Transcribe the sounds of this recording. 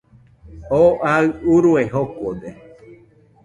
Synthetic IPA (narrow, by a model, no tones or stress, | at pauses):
oʔaɨuɾueɦokod̪e